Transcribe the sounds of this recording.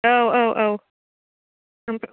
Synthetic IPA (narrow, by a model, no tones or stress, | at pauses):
oʊʔoʊʔoʊ | ãɪ̃mp